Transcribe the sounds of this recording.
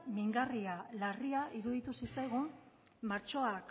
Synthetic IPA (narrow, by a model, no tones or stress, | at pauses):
miŋɡarialariaʔiɾuðit̪usit͡sajɣ̞um | maɾt͡ʃo̞ak